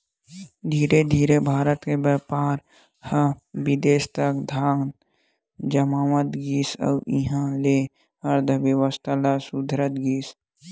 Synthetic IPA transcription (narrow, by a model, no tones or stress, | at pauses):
d̪ʱiːɾed̪ʱiːɾebʱaːɾət̪kebəɾpaːɾ | həbɪd̪eːst̪ɐkd̪ʱaːn | d͡ʒəmaːʋət̪ɡiːsə̰ʔiɦãleː | ɐɾd̪ʱəʋjəʋəst̪ʰalasud̪ʱɾət̪ɡiːs